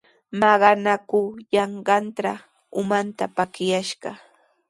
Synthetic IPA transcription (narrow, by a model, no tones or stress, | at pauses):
mɑɢɑnakʊjɑɴɢɑnt̪ɾa | ʊmant̪apakjaʃɢɑ